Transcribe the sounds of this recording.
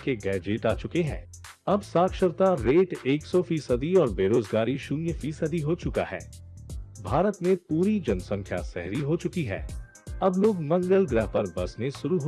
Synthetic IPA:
keɡɛːd͡ʒɪʈaːt͡ʃʊkeɦɛ̰̃ː | ɐbsaːkʃəɾt̪aɾeːʈeːksɔfiːsəd̪iɔːɾbeːɾoːzɡaːɾiʃʊnjəfiːsəd̪iɦot͡ʃʊka̰ɦɛ̰ː | bʱaːɾət̪mẽpuːɾid͡ʒɐnsə̃ŋkʰja̰sɛ̰ɦɾiɦot͡ʃʊkiɦɛ̰ː | ɐbloːɡmɐ̃ŋɡəlɡɾɛɦpɐɾbɐsneʃʊɾuɦo

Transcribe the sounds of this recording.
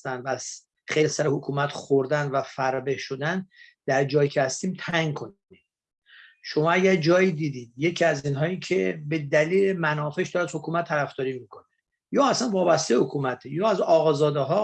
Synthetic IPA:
t̪ænvæz | xejlsæɾehokʰuːmæt̪χoɾd̪ænvæfæɾbehʃod̪æn | d̪̥æɾd͡ʒɒːjiːcʰehæst̪iːmt̪ʰæŋɡkʰonde | ʃomɒːæɟæɾd͡ʒɒːjiːd̪iːd̪iːd̪je̞cʰiæziːnɦɒːiːcʰebe̞d̪æliːlemænɒːfeʃd̪ɒːɾæzhokʰuːmæt̪ʰːæɾæfd̪ɒːɾiːmiːkʰone | jɒːæsænvɒːbæst̪ebehokʰuːmæt̪ʰejɒːæzɒːɣɒːzɒːd̪eɦɒː

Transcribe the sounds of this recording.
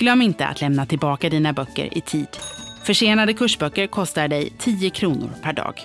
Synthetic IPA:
ɡ̥lœmːɪnt̪əa̰t̪lɛmnat̪ʰɪlbɑːkad̪iːnabœkːə̰ɾʔɪ̰t̪ʰiːd̪̥fœʂeːnad̪əkʰɵʂbœkːəɾkʰɔst̪aɖɛjt̪ʰiːəkʰɾuːnʊ̰ɾpʰæɖɑ̰ːɡ

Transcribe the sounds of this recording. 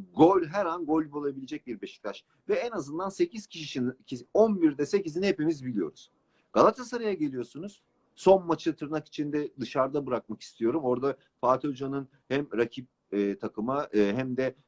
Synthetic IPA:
ɡolʲɦɛɾanɡo̞lʲbolˠabilʲed͡ʒɛc̚biɾbeʃi̥kt̪ʰaʃ | vɛɛnazɯnd̪anse̞ciz̥cʰiʃiʃincʰionbiɾd̪ɛsecizinihe̞pimizbilʲijo̞̰ɾuz̥ | ɡ̥alˠat̪ʰasaɾajaɟe̞lʲijo̞sunuz̥ | so̞nmat͡ʃ̪at̪ʰɯɾnaki̥t͡ʃʰind̪ɛd̪ɯʃaɾd̪abɯɾak̚maki̥st̪ʰijo̞ɾumo̞ɾd̪a | faːt̪ʰolʲd͡ʒanɯn | hæmɾacʰip̚ː | t̪ʰakʰɯmaɯːɦæmd̪ɛ

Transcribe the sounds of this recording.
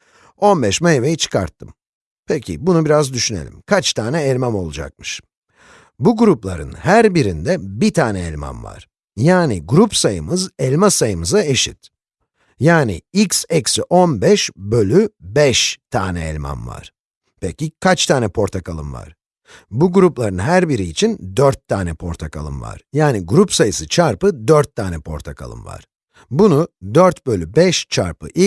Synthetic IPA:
o̞nbɛʃmaevejit͡ʃʰɯ̥kʰa̰ɾt̪ʰːɯm | pʰecʰḭbunubiɾazd̪yʃyne̞̰lʲḭmkʰat͡ʃt̪ʰaːnɛːlʲmæmo̞lˠud͡ʒa̰k̚mɯʃ | buɡuɾuplˠaɾɯnhæɾbiɾind̪ɛbit̪ʰaːnɛɛlʲma̰mva̰ɾ̥ | jaːniɡuɾupsajɯmɯzɛlʲmasajɯmɯzaeʃḭt̪ | jaːnḭiksɛcsiʔonbɛʃbø̞lʲybɛʃt̪ʰaːnɛɛ̰lʲma̰nva̰ɾ̥ | pʰɛcikʰat͡ʃt̪ʰaːnɛpʰo̞ɾt̪ʰakalˠɯ̰mva̰ɾ̥ | buɡuɾuplˠaɾɯnɦæɾbiɾiːt͡ʃʰind̪øɾt̪ʰːaːnɛpʰo̞ɾt̪ʰakʰa̰lˠɯ̰mva̰ɾ̥jaːniɡuɾupsajɯsɯt͡ʃʰaɾpɯd̪øɾt̪ʰːaːnɛpʰo̞̰ɾt̪ʰakʰa̰lˠɯ̰mva̰ɾ̥ | bunud̪øɾt̪bølʲybɛʃt͡ʃʰaɾpʰɯ̰ʔi

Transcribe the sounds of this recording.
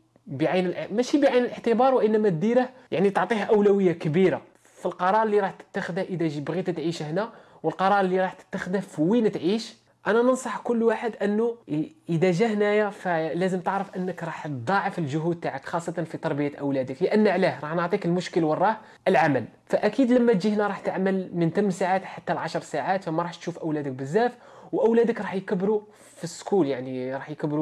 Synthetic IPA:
bəʕajnəlʔmæʃibəʕajnəlʔəħt̪əbɑɾˤwʔənːæmæt̪̚d̪iɾəh | jaʕnit̪oʕt̪ˤihæʔəwlæwəjːakəbiɾa | filqɑɾˤɑɾˤəlːiɾˤɑħt̪ə̥t̪ːaxəd̪æhʔəd̪æʒbɣit̪t̪ʕiʃhnæ | wəlqɑɾˤɑɾˤəlːiɾˤɑħt̪ə̥t̪ːaxəd̪æfwint̪ʕiʃ | ʔænænənsˤɑħkʊlːwaħəd̪ʔənːuʔəd̪æʒæhnæjafælæzəmt̪əʕɾəfʔənːəkɾˤɑħt̪d̪ˤɑʕəfəlʒʊɦud̪̚t̪aʕəkxɑsˤːɑt̪ɑnfit̪ɑɾˤbəjat̪ʔæwlæd̪əkləʔənːʕlæhɾˤɑħnəʕt̪ˤikəlmʊʃkəlwərˤːɑ | ʔəlʕamæl | fæʔækid̪ləmːæt̪d͡ʒihnæɾˤɑħt̪əʕməlmənt̪æmːsaʕat̪ħat̪ːælʕɑʃɾˤsaʕat̪fæmæɾˤɑħt̪ʃufʔæwlæd̪ək̚bəzːæf | wʔæwlæd̪əkɾˤɑħjkəbːɾu | fisːkuljaʕniɾˤɑħjkəbɾu

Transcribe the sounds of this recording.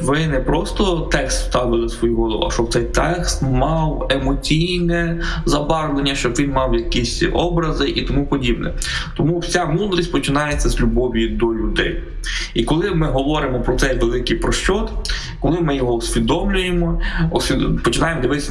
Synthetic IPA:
ʋɪnɛpɾɔst̪ɔt̪ɛkst̪st̪ɑʋɪlˠɪsʋɔjuɦɔlˠɔ̰ɐ̰ʃt͡ʃɔwt̪sɛjt̪ɛkst̪mɑwemɔt͡sʲijnɛzɐbɑrlenʲːɐʃt͡ʃɔbʋʲinmɑwjɐkisʲɔbɾɐzɪʔit̪ɔmupɔdʲibnɛ̰t̪ɔmuwsʲamud̪ɾisʲpɔt͡ʃɪnɑjet͡sʲːɐzʲlʲʊbɔʋʲid̪ɔlʲʊd̪ɛ̰j | ikɔlˠɪmɪɦɔʋɔɾɪmɔpɾɔt̪sɛjʋelˠɪkɪjpɾɔʃt͡ʃɔt̪ | kɔlˠɪmɪjɔɦɔɔsʲʋʲid̪ɔmlʲʊjemɔɔsʲipɔt͡ʃɪnɑjemɔd̪ɐʋɪ

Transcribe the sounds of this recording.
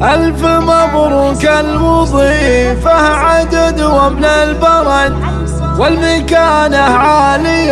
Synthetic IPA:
ʔalfmabɾˤukalmʊðˤifahʕad̪ad̪wamnalbɑɾˤɑn | wɪlmakaːnaʕaːlɪ

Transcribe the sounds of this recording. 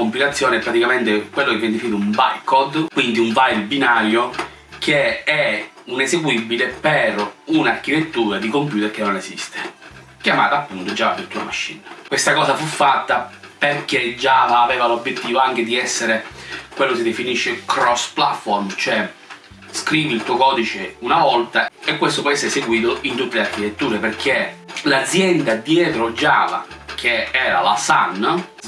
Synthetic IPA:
kompilat̪sːjɔːnɛpːɾat̪ikamɛnt̪ekwelːokeveɛnd̪efiniɾumba̰jkɔd̪kwind̪iuɱvajlbinaːɾjo | kʰeɛ | unesekwibːilepeɾunarkit̪et̪ːuːɾad̪ikompjuːt̪erkenːonesḭst̪e̥ | kjama̰ːt̪aːpːunt̪od͡ʒavapːet̪ːuːɾa̰maʃːḭnakwest̪akɔːsafufːat̪ːaperked͡ʒaːvaːvɛːvalobjet̪ːiːvoaŋk̟ed̪iɛsːeɾekwelːosid̪efiniʃːekɾɔspla̰t̪fɔrmt͡ʃoɛ | skɾiːvilt̪uːokɔːd̪it͡ʃeunavɔlt̪aekːwest̪opwɔjɛsːeɾeseɡwiːt̪oʔint̪ut̪ːelearkit̪et̪ːuːɾeperk̟ʰelad̪zːjɛnd̪ad̪jɛːt̪ɾod͡ʒaːva̰kʰeɛːɾa̰la̰sa̰nː

